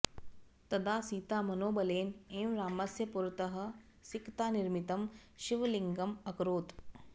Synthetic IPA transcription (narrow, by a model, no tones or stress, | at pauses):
t̪ɐd̪aːsiːt̪aːmɐnoːbɐleːneːmɾaːmɐsjɐpuɾɐt̪ɐɦɐ̆ | sikt̪aːniɾmit̪ɐmʃiʋɐliŋɡɐmɐkɾoːt̪